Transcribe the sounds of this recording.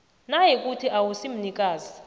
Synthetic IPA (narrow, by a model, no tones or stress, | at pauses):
najik̬ʼutʰiʔawusim̩nikʼaːzi